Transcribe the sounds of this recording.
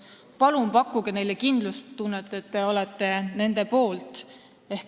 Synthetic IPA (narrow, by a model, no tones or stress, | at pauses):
pɑlumpɑkːˑuɡ̥ene̞jlekind̪lust̪unːet̪ːˑet̪ːeo̞lɛt̪ːe̞ne̞nd̪e̞po̞ːlt̪ˑ | e̞hk